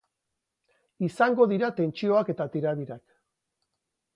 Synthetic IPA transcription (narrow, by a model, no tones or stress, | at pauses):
isaŋɡo̞ðiɾat̪e̞nt͡ʃio̞ake̞t̪at̪iɾaðiɾak